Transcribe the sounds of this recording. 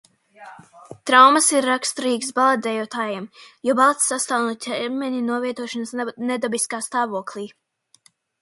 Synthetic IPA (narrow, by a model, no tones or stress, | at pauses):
t̪ɾawmasiɾːakst̪ɔɾiːɡsbalˠat̪ɛjuɔt̪aːjɛmjɔbalˠt̪sːast̪awnut̪ʲʰɛɾmɛɲʲinuɔviɛt̪uɔʃansned̪abiskaːst̪aːvuɔklˠiː